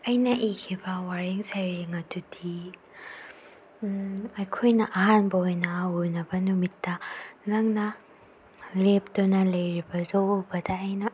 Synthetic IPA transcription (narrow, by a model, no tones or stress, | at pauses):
ɐjnɐʔikʰibɐwaɾiŋsɐjɾeŋɐtudʰi | ɐjkʰojnɐʔɐɦanbɐojnɐunɐbɐnumitːɐnɐŋnɐ | lep̚donɐlɐjɾibɐzobɐdɐːjnɐ